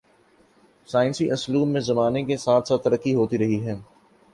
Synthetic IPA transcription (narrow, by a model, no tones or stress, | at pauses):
saːɪnsiʔɐsluːmːẽzɐmaːnekesaːt̪ʰsaːt̪ːɐɾəkːiɦoːt̪iɾɐɦiɦɛː